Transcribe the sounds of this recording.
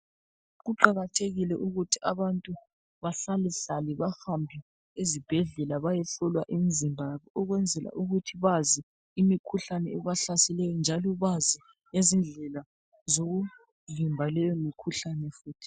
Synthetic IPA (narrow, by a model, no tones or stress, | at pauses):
ɣuǃaɣatʰeɣilɛʔuɣutʰiʔaβantʼu | βaɬaliɬaliβahambʱi | ezib̥ʱɛɮɛlaβajɛɬɔlwaʔimizimbʱaaβɔɔɣwɛnd͡zʱɛla̰ʔuɣutʰiβazi | imikʰuɬanɛɛβaɬasilɛjɔnd͡ʒʱalɔβazi | nezind͡ɮʱɛla | zoɣu | vimbʱalɛjɔmikʰuɬanɛfuːtʰi̥